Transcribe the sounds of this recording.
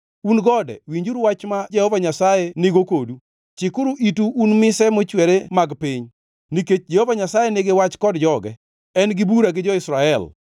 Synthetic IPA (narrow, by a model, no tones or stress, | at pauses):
unɡɔdɛ̰wiɲd͡ʒuɾwat͡ʃmad͡ʒɛhovaɲasajenɪɡokodu | t͡ʃɪkʊɾuʔituːnmɪsɛmot͡ʃwɛɾemaɡpɪɲ | niket͡ʃd͡ʒɛhovaɲasajenɪɡewat͡ʃkɔdd͡ʒɔɡɛ̰ | ɛnɡɪbuɾaɡɪd͡ʒɔɪsɾaɛl